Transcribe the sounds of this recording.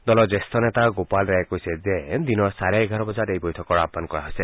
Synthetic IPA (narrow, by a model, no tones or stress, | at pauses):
d̪ɔlɔd͡ʒest̪ɔnet̪aɡopalɾajekɔjsed͡ʒed̪inɔsaɾeeɡʱaɾɔbɔd͡ʒaɾejbɔjt̪ʰɔkɔɽabmankɔɾaɦojse